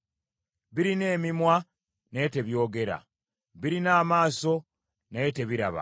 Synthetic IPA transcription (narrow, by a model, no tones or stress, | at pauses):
βiɾine̞ːmimwa | nete̞βjo̞ːɡe̞ɾa̰ | βiɾinaːmaːso̞ | naete̞βiɾaβa̰